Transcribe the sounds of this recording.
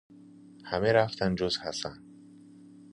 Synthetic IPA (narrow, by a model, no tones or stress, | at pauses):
hæmeɾaft̪ʰænd͡ʒozhasæ̰n